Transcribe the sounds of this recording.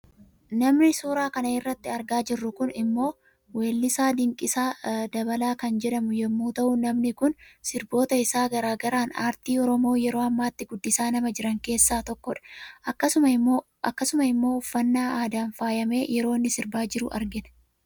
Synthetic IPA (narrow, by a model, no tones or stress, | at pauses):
nɐmnɪsuːɾaːkɐnɐɪrːɐt̪ːɪɐɾɡaːd͡ʒɪrːʊkʊnɪmːo̞ː | weːlːɪsaːd̪ɪŋkʼːɪsaːd̪ɐbɐlaːkɐnd͡ʒɛᶑɐmʊjɛmːuːt̪ɐʔʊnɐmnɪkʊnsɪɾbo̞ːt̪ɐɪsaːɡɐɾaːɡɐɾaːnaːɾt̪iːɔɾɔmo̞ːjɛɾo̞ːɐmːaːt̪ːɪɡʊd̪ːɪsaːnɐmɐd͡ʒɪɾɐŋke̞ːsːaːt̪ɔkːɔᶑɐ̥ɐkːɐsʊmɐ | ɐkːɐsʊmɐɪmːo̞ːʊfːɐnːaːʔaːd̪aːnfaːjɐme̞ːjʔɛɾo̞ːnːɪsɪɾbaːd͡ʒɪɾʊ̰ʔɐ̰ɾɡɪnɐ̥